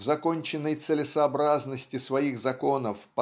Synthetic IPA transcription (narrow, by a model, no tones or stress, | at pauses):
zɐko̞nʲt͡ɕɪnːəjt̪sɨlʲɪsɐːbɾaznəsʲtʲɪsvɐixzɐko̞nəfpɐ